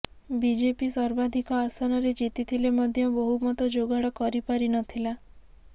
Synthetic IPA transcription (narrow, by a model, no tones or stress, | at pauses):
bid͡ʒepisɔɾbad̪ʱikɔasɔnɔɾed͡ʒit̪it̪ʰilemɔd̪ʱjɔbɔɦumɔt̪ɔd͡ʒoɡaɽɔkɔɾipaɾinɔt̪ʰila